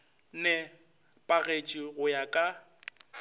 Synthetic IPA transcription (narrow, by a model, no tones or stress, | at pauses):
nɛ | pʼaɣet͡ʃʼiɣʊjakʼa